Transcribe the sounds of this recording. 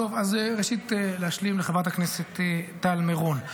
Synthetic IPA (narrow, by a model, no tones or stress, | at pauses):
ovazeʁeʃit̪elehaʃlimleχavat̪̬akneset̪etːalmeʁon